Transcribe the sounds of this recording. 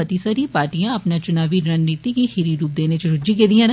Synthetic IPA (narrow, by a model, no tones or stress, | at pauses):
ɐt̪isəɾipaːɾʈijãɐpnat͡ʃʊnaːʋiɾənːiːt̪ikihiɾiɾuːp̚d̪eːnet͡ʃʊɾʊd͡ʒiked̪ijãːn